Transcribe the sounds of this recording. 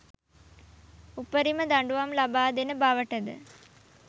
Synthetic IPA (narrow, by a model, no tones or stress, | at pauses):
upəɾiməd̪aɳɖuʋamlabaːd̪enəbaʋəʈəd̪ə̰